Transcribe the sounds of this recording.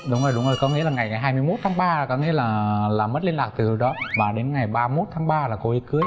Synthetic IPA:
ɗʊ˨˦ŋ͡mŋzo˧˩jɗʊ˨˦ŋ͡mzo˧˩jkɔ˨˦ŋḭ˧˥laː˨˩ŋa˨˩jŋa˨˩jɦaː˧jmɨ˧əjmo˦˥t̚t̪ʰaː˨˦ŋɓaː˧˨˩kɔ˨˦ŋḭ˧˥əlaː˨˩laː˨˩mə˦˥t̚li˧nlaː˨˩k̚t̪ɨ˨˩˨ɗɔ˨˦vaː˨˩ɗe˨˦nŋa˨˩jɓaː˧mo˦˥t̚t̪ʰaː˨˦ŋɓaː˧laː˨˩ko˧ʔi˨˦kɨ˨˦əj

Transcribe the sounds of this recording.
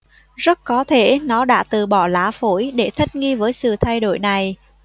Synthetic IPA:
zə˦˥t̚kɔ˨˦t̪ʰe˧˩nɔ˨˦ɗa̰ː˧˥t̪ɨ˨˩ɓɔ˧˩laː˨˦fo˧˩jɗe˧˩t̪ʰi˦˥k̚ŋi˧vəː˨˦jsɨ̰˧˨t̪ʰa˧jɗo̰˧˨jna˨˩j

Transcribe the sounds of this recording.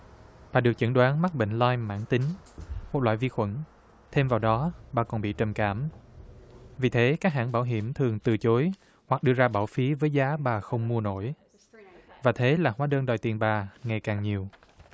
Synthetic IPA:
ɓaː˨˩ɗɨ˨˩ək̚t͡ɕə˧˩nɗwaː˨˦nma˦˥t̚ɓḛ˧˨ŋ̟laː˧jma̰ː˧˥nt̪ï˨˦ŋ̟mo˨˩t̚la̰ː˧˨jvi˧xwə̰˧˥n | t̪ʰe˧mvaː˨˩wɗɔ˨˦ɓaː˨˩kɔ˨˩nɓḭ˧˨t͡ɕə˨˩mka̰ː˧˩m | vi˨˩t̪ʰe˨˦kaː˦˥k̚ɦa̰ː˧˥nɓaː˧˩wɦḭ˧˩əmt̪ʰɨ˨˩əŋt̪ɨ˨˩t͡ɕo˨˦j | hwa˨˩k̚ɗɨ˧əzaː˧ɓaː˧˩wfi˨˦vəː˨˦jzaː˨˦ɓaː˨˩xə˧wŋ͡mmu˧əno̰˧˥˨j | vaː˨˩t̪ʰe˨˦laː˨˩hwaː˨˦ɗəː˧nɗɔ˨˩jt̪i˨˩ənɓaː˨˩ŋa˨˩jkaː˨˩ŋɲi˨˩əw

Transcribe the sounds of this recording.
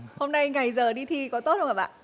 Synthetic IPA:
ho˧mna˧jŋa˨˩jzəː˨˩ɗi˧t̪ʰi˧˩kɔ˨˦t̪o˦˥t̚hə˧wkːaː˨˩ɓa̰ː˧˨n

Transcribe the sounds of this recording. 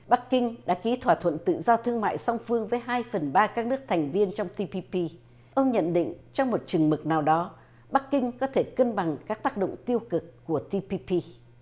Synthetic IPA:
ɓa˦˥kːï˧ŋ̟ɗa̰ː˧˥ki˨˦t̪ʰwaː˧˩t̪ʰwə̰˧˨nt̪ɨ̰˧˨zɔ˧t̪ʰɨ˧əŋma̰ː˧˨jsa˧wŋ͡mfɨ˧əŋvəː˨˦jɦaː˧jfə˨˩nɓaː˧kaː˦˥k̚nɨ˦˥ək̚t̪ʰɛ˨˩jŋ̟vi˧ənt͡ɕɔ˧wŋ͡mt̪i˧pi˧pi˧ | ʔə˧wŋ͡mɲə̰˧˨nɗḭ˧˨ŋ̟t͡ɕɔ˧wŋ͡mmo˨˩t̚t͡ɕɨ˨˩ŋmɨ˨˩k̚naː˨˩wɗɔ˨˦ | ɓa˦˥kːï˧ŋ̟kɔ˨˦t̪ʰe˧˩kə˧nɓa˨˩ŋkaː˦˥k̚t̪aː˦˥k̚ɗo̰˧˨ŋ͡mt̪i˧əwkɨ˨˩kːu˧˩ət̪i˧pi˧pi˧

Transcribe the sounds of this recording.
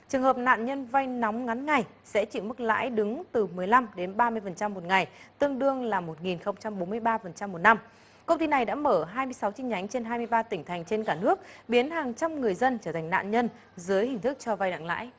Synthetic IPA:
t͡ɕɨ˨˩əŋhəː˨˩p̚na̰ː˧˨nɲə˧nva˧jnɔ˨˦wŋ͡mŋa˨˦nŋa˨˩j | sɛ̰˧˥t͡ɕḭ˧˩mɨ˦˥k̚la̰ː˧˥jɗɨ˨˦ŋt̪ɨ˨˩mɨ˨˩əjla˧mɗe˨˦nɓaː˧mɨ˧əjfə˨˩nt͡ɕa˧mːo˨˩t̚ŋa˨˩jt̪ɨ˧əŋɗɨ˧əŋlaː˨˩mo˨˩t̚ŋi˨˩nxə˧wŋ͡mt͡ɕa˧mɓo˨˦nmɨ˧əjɓaː˧fə˨˩nt͡ɕa˧mːo˨˩t̚na˧m | kə˧wŋ͡mt̪i˧na˨˩jɗa̰ː˧˥məː˧˩ɦaː˧jmɨ˧əjsa˨˦wt͡ɕï˧ŋ̟ɲa˨˦jŋ̟t͡ɕe˧nɦaː˧jmɨ˧əjɓaː˧t̪ï˩ŋ̟t̪ʰa˨˩jŋ̟t͡ɕe˧nkaː˧˩nɨ˦˥ək̚ɓi˨˦ənhaː˨˩ŋt͡ɕa˧mŋɨ˨˩əjzə˧nt͡ɕəː˧˩t̪ʰa˨˩ŋ̟na̰ː˧˨nɲə˧n | zɨː˨˦əjhï˨˩ŋ̟t̪ʰɨ˦˥k̚t͡ɕɔ˧va˧jna̰˧˨ŋla̰ː˧˥j

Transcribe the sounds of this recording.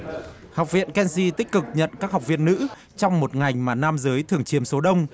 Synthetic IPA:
ha˨˩wk͡p̚vḭ˧˨ənkɛ˧nsi˧t̪ï˦˥k̟̚kɨ˨˩k̚ɲə̰˧˨nkaː˦˥k̚ɦa˨˩k͡p̚vḭ˧˨ənːɨ̰˧˥ | t͡ɕɔ˧wŋ͡mmo˨˩t̚ŋa˨˩jŋ̟maː˨˩naː˧mzəː˨˦jt̪ʰɨ˨˩əŋt͡ɕi˨˦əmso˨˦ɗə˧wŋ͡m

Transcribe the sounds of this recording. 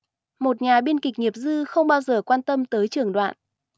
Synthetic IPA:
mo˨˩t̚ɲaː˨˩ɓi˧ənki˨˩k̟̚ŋi˨˩əp̚zɨ˧xə˧wŋ͡mɓaː˧wzəː˨˩kwaː˧nt̪ə˧mt̪əː˨˦jt͡ɕɨ˨˩əŋɗwa̰ː˧˨nʔ

